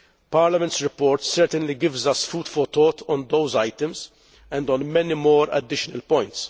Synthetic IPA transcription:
paːɾlɐmɛ̃ntsɾɪpɔːɾt̪sɛɾt̪ɛ̃nliɡɪvzɐsfuːt̪fɔt̪ɔːt̪ɔ̃nd̪owzajt̪ə̃mz | ɛ̃nd̪ɔ̃nmɛnimɔːɾɐ̰d̪ɪʃɔnɐlpɔ̃jnt̪s

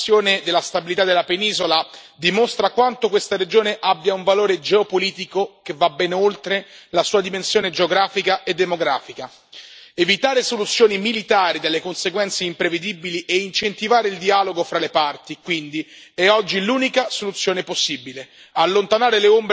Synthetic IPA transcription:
joːned̪elːast̪abilit̪ad̪elːapeniːzola | d̪imost̪ɾakwant̪okwest̪aɾed͡ʒoːneʔabːjauɱvaloːɾed͡ʒeopoliːt̪ikokevːabːɛnolt̪ɾelasuːad̪imensjoːned͡ʒeoɡɾaːfikaʔed̪ːemoɡɾaːfika | evit̪aːɾesolut̪sːjoːnimilit̪aːɾid̪alːekonseɡwɛnt̪seimpɾeved̪ibiliʔeint͡ʃent̪ivaːɾeild̪iaːloɡofɾalepart̪ikwind̪i | ɛɔd͡ʒːiluːnikasolut̪sːjoːneposːibile | alːont̪anaːɾeleomb

